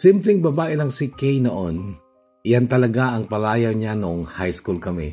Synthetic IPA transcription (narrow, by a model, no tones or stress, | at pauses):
simplɛŋbɐbaːʔɪlɐŋsɪkɛjnoʔon | ʔjant̪ɐlɐɡaʔɐŋpɐlaːjɐwɲanoŋhajskulkɐmɛ̰